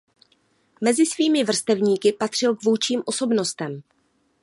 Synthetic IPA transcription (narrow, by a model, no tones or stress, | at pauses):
mɛzɪsviːmɪvr̩st̪ɛvɲiːkɪpat̪r̥ɪlkvuːt͡ʃiːmʔo̞so̞bno̞st̪ɛm